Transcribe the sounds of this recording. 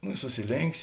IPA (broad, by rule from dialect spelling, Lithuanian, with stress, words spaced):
nʊ ɪ sʊsʲɪˈlʲeːŋʲkʲsʲ